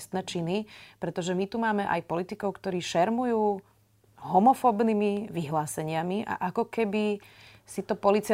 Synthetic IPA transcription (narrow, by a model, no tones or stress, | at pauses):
st̪nɛːt͡ʃinipɾɛt̪ɔʒɛmit̪umaːmɛʔa̰jpɔlit̪ikɔʊkt̪ɔɾiːʃɛɾmujuː | ɦɔmɔfɔbnimiʋiɦlaːsɛɲɪamiʔa̰ʔakɔkɛbisit̪ɔpɔlit͡sia